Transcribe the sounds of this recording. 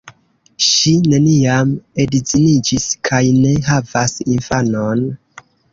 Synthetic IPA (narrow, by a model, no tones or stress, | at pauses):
ʃine̞niamedizinid͡ʒiskʰajne̞ɦavasinfano̞n